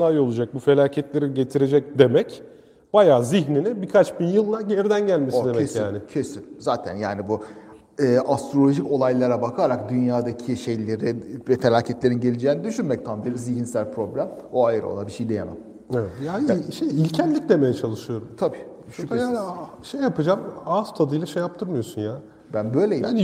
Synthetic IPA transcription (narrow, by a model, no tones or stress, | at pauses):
ajo̞lˠud͡ʒak̚bufe̞lʲaːcʰɛt̪lʲe̞ɾinɟe̞t̪ʰiɾe̞d͡ʒɛc̚d̪e̞mɛc | b̥ajaːziçninibikʰat͡ʃbinjɯlˠːaɟe̞ɾid̪ænɟælʲmesoid̪emɛesjaːnɪcʰesynzaːt̪ʰæ̰njaːnibu | ɯːʔast̪ɾo̞lʲo̞ʒico̞lˠajlˠaɾabakʰaɾakd̪ynjaːd̪acʰiʃe̞jlʲe̞ɾivet̪ʰalʲaːcʰɛt̪lʲe̞ɾinɟe̞lʲid͡ʒeːinid̪yʃynmɛc̚t̪ʰanbiɾziɟinsælʲpʰɾo̞blʲæmoajɯɾo̰lˠabiʃejd̪ejama̰m | evɛjaʃejilʲcʰænlːʲicd̪ʲeme̞jɛt͡ʃʰalˠɯʃɯjo̞ɾumt̪ʰabiː | ʃuaːn | ʃejːapɯd͡ʒamast̪ʰad̪ɯjlˠaʃejap̚t̪ʰɯɾmɯjosunjaː | bænbø̞jlʲejian